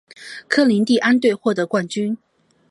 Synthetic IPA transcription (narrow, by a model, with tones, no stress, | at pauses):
kʰɤ˥li˧˥nt̪i˥˩ʔa˥nt̪we˥˧ɪxwɔ˥˩t̪ɤ˧˥kwa˥˩nt͡ɕy˥n